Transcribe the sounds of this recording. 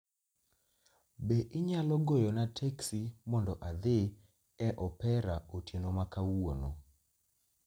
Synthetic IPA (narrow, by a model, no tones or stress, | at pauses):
beʔɪɲalɔɡojɔnatʰeksimɔndɔʔad̪e | ɛʔɔpɛɾaotjenomakawono